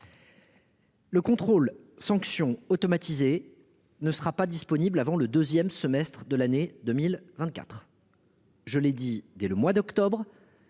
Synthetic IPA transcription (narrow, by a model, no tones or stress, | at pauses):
ləkɔ̃t̪χolsɑ̃ksjɔ̃ot̪ɔmat̪ize | nəsəʁapad̪ispɔniblavɑ̃ləd̪øzjɛmsəmɛst̪χəd̪əlaned̪əmilvɛ̃t̪̚kʲa̰t̪χ | ʒəlɛd̪id̪ɛləmwad̪ɔkt̪ɔbʁ